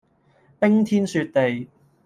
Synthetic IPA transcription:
pɪ˥ŋt̪ʰiː˥nsyː˧t̚t̪e˨j

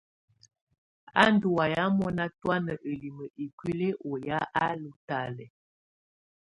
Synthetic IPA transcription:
a̰˦ndu˨wa˨ja˦mɔ˦na˦twa˦nə˨ʔə˨li˨mə˨ʔi˨kwi˦le˦ʔɔ˨ja˦ʔa˦lu˨ta˨lɛ˨

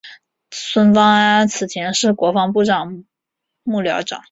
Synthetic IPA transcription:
swə˥nfɑ˥ŋa˥a˥nt͡sʰɹ̩˨˩t̪ʰjɛ˧˥nʂɻ̩˥˩kwɔ˧˥fɑ˥ŋp̬u˥˧ʈ͡ʂɑ˨˩ŋ | mu˥˩ljɑ˧˥ʊʈ͡ʂɑ̰˨˩˦ŋ

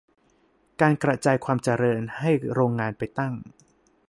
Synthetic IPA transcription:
kaː˧nkɾa˧t͡ɕaː˧jkʰwaː˧mt͡ɕa˧ɾɤː˧nha˥˩jɾoː˧ŋːaː˧npa˧jt̪a˥˩ŋ

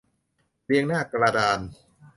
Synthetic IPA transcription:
pi˧əŋnaː˥˩kɾaː˧daː˧n

